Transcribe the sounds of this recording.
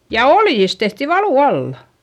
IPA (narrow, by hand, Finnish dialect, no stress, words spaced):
jɑ oljis tehti ʋɑluˑ ɑlːɑ